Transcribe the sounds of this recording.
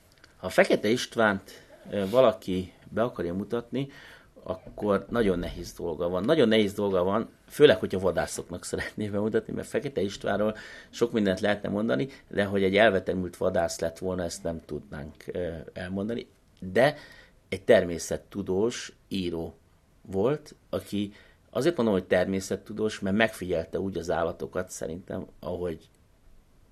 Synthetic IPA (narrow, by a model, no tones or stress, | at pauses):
hɒfɛkɛt̪ɛiʃt̪ʋaːnt̪vɒlɒkibɛɒkɒrjɒmut̪ɒt̪ni | ɒ̰kːo̞rnɒɟo̞nːɛɦeːzd̪o̞lɡɒvɒnːɒɟo̞nːɛɦeːzd̪o̞lɡɒvɒn | føːlɛkho̞chɒvɒd̪aːso̞knɒksɛɾɛt̪neːbɛmut̪ɒt̪nḭmʔɛ̰rt̪fɛkɛt̪ɛiʃt̪ʋa̰ːnroːlʃo̞kmind̪ɛnt̪lɛɦɛt̪nɛ̰mo̞nd̪ɒnid̪ɛɦo̞ɟɛɟːɛlvɛt̪ɛmylt̪ʋɒd̪aːslɛt̪ʋo̞lnɒɛst̪nɛmt̪ud̪na̰ːŋkɛlmo̞nd̪ɒni | d̪ɛ | ɛc̚t̪ɛrmeːsɛt̪ːud̪oːʃ | iːɾoː | vo̞lt̪ɒkʰi | ɒ̰zert̪ond̪omho̞c̚t̪ɛrmeːsɛt̪ːud̪oːʃmɛrmɛkfiɟɛlt̪ɛuːɟɒza̰ːlːɒt̪o̞kɒt̪sɛ̰ɾint̪ɛ̰mɒ̰ɦo̞ɟ